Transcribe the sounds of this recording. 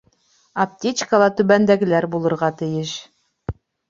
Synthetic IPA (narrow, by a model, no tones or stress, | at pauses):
ɐp̚tʲet͡ɕkəlˠɑt̪ʉβænd̪æɡɘ̆læɾbulˠɤ̆ɾʁɑt̪ɘ̆jɘʃ